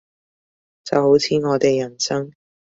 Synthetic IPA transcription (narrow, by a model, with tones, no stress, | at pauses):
t͡sɐ˨who˨˥wt͡sʰiː˨˥ŋɔː˨˧t̪e˨jːɐ˨˩nsɐ˥ŋ